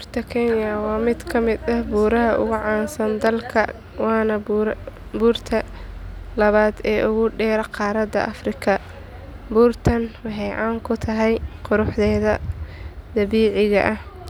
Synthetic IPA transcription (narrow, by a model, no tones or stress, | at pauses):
buːrt̪ʰɐkʰɛnjɐwɑːmɪd̪kʰɐmɪd̪ɐhbuːɾɐɦɐʔʊ̰ɣʊʕɑːnsɐnd̪ɐlkʰɐ | wɑːnɐbɾbuːrt̪ʰɐ | lɐβaːd̪ɛːʔʊɣʊɖɛːɾɐqɑːɾɐd̪ɐ̰ʔɐfrɪkʰɐ | buːrt̪ʰɐnwɑħɑjʕɑːŋkʰʊt̪ʰɐɦɛjqʊɾʊħd̪ɛːðɐ | d̪̥ɐβiːʕɪɣɐ̰ʔɐh